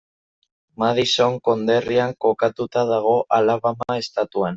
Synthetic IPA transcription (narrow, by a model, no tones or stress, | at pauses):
maðiso̞ŋko̞nd̪e̞riaŋko̞kat̪ut̪aðaɣ̞o̞ʔalaβamae̞st̪at̪uan